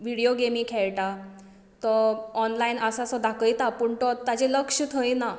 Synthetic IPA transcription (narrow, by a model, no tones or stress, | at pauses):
ʋiɽijoɡemiːkʰɛɭʈa | t̪ɔɔnlainəsasɔd̪akəjt̪apuɳʈɔt̪ːad͡ʑeləkʂət̪ʰə̃jna